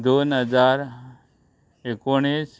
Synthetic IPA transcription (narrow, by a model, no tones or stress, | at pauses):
d̪onɦəd͡ʒaɾ | ekoɽ̃is